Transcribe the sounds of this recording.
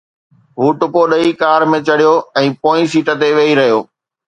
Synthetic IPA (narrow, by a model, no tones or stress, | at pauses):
ɦuːʈʊpoɗɐikaːɾmẽt͡ɕɐɽijoɛ̃ːpoːĩsiːʈət̪eʋeːiɾɐɦijoː